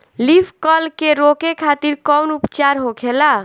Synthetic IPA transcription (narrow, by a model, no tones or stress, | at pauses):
lipʰkəlkeɾokekʰat̪iɾkɔwnupt͡ʃaɾɦokʰela